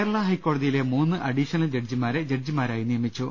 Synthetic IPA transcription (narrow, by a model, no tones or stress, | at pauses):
eɾɐɭɐɦɐjkːoːɽɐðijile̞muːnːɨʔɐɽiʂɐnɐld͡ʑeɖd͡ʑimaːɾed͡ʑeʈd͡ʑimaːɾaːjinijɐmit͡ɕːu